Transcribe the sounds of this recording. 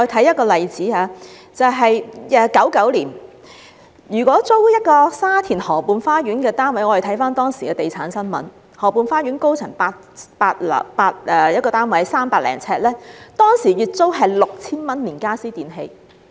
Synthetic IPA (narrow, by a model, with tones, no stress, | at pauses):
ɔ˧e˨˧t̪ʰɐ˨˥jɐ˥t̚kɔː˧lɐ˨jt͡siː˨˥aː˧ | t͡sɐ˨wɦɐ˨jɛː˨kɐ˨˥wkɐ˨˥wliː˨˩n | jyː˨˩kwɔː˨˥t͡so˥wjɐ˥t̚kɔː˧saː˥t̪ʰiː˨˩nhɔː˨˩puː˨nfaː˥ɥyː˨˥nkɛː˧t̪aː˥nwɐ˧˥jŋɔː˨˧˨t̪ʰɐ˨˥jfaː˥nt̪ɔː˥ŋsiː˨˩kɛː˧t̪e˨jt͡sʰaː˨˥nsɐ˥nmɐ̰˨˥n | hɔː˨˩puː˨˧nfaː˥jyː˨˥nko˥wt͡sʰɐ˨˩ŋpaː˧ | paː˧t̚lɐ̰˨paː˧t̚ɛː˨˩jɐ˥kɔː˧t̪aː˥nwɐ˨˥jsaː˥mpaː˧k̚lɛ̰ː˨˩ŋt͡sʰɛː˧t̚lɛː˥t̪ɔː˥ŋsiː˨˩jyː˨t̚t͡so˥wɦɐ˨jlʊ˨k̚t͡sʰiː˥nmɐ˥nliː˨˩nkaː˥siː˥t̪iː˨nɦe˧j